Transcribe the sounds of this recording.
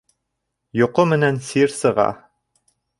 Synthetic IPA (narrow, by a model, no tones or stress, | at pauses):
jŏqomɘ̆nænsiɾsɤ̆ʁɑ̰